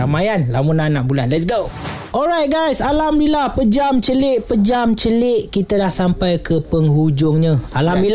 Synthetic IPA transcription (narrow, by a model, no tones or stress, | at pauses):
amajanlamunanãʔbulanlɛts̬ɡo | ʔɔlɹajt̚ɡajsalamlilahpəd͡ʒamt͡ʃəlɪʔpəd͡ʒamt͡ʃəlɪʔ̚kit̪adahsampajkʰəpəŋɦud͡ʒʊŋɲãalami